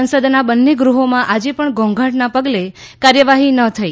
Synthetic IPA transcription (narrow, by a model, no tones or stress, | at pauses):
ənsəd̪nabənːeɡɾuɦomãʔad͡ʒepəɳɡɔ̃ŋɡʱãʈnapəɡle | kaɾjəʋaɦinət̪ʰəi